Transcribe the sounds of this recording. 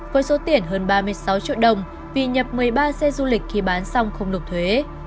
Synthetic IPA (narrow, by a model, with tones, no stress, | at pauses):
vəː˨˦jso˨˦t̪i˧˩ənɦəː˧nɓaː˧mɨ˧əjsa˨˦wt͡ɕḭ˧˨əɗə˨˩wŋ͡m | vi˨˩ɲə˨˩p̚mɨ˨˩əjɓaː˧sɛ˧zu˧lï˨˩k̟̚xi˧˩ɓaː˨˦nsa˧wŋ͡mxə˧wŋ͡mlʊ˨˩k͡p̚t̪ʰwe˨˦